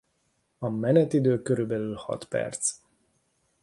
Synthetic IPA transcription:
ɒmɛnɛt̪id̪øːkøɾybɛlylhɒ̰t̪pɛ̰rt̪s

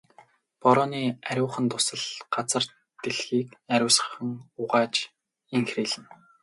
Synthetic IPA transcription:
pɔɾɔːniːæɾʲʊːχə̆nt̪ʊ̥sə̆ɮɢat͡sə̆r | t̪eɮxiːkæɾʲʊːsə̆χə̆ŋʊʁaːt͡ɕ | iŋxriːɮɘ̆n

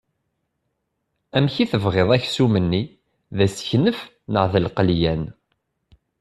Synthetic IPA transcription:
æmçiθəvʁeðˤæçsumənːi | ðæsçnəf | nəʁðəlqəljæn

